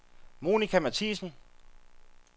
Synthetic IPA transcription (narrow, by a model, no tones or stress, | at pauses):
mo̝ːnikʰæmæt͡sʰḭsn̩